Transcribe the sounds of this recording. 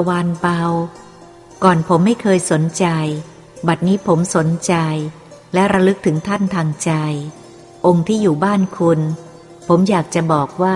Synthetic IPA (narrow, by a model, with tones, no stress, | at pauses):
waː˧npa˧w | kɔː˨˩npʰo˩˦mːa˥˩jkʰɤː˧jso˩˦nt͡ɕa˧j | ba˨˩t̪̚niː˦˥pʰo˩˦mso˩˦nt͡ɕa˧j | lɛ˦˥ɾa˧lɯ˦˥k̚t̪ʰɯ˩˦ŋt̪ʰa˥˩nt̪ʰaː˧ŋt͡ɕa˧j | ʔo˧ŋt̪ʰiː˥˩juː˨˩baː˥˩nkʰu˧n | pʰo˩˦mjaː˨˩k̚t͡ɕa˨˩bɔː˨˩k̚waː˥˩